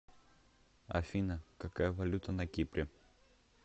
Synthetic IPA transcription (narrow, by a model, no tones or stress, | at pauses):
ɐ̰fʲinɐkɐkajɐvɐlʲut̪ɐnɐkʲipɾʲɪ